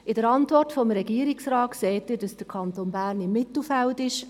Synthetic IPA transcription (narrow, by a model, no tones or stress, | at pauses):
ɪdəɾɑntvɔrtfɔmɾɛɡ̥iːəɾɪksɾɑːtkseːtːɪːd̥ɑsd̥əɾkʰɑntoːnbæːɾnɪmːɪtl̩fæltɪʃ